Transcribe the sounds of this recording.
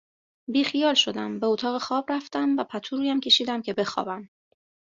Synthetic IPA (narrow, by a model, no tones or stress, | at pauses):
biːxijɒːlʃo̞d̪æmbe̞ot̪ʰɒːɣexɒːbɾæft̪æmvæpʰæt̪ʰuɾuːjæmcʰe̞ʃiːd̪æmcʰe̞be̞xɒ̰ːbæm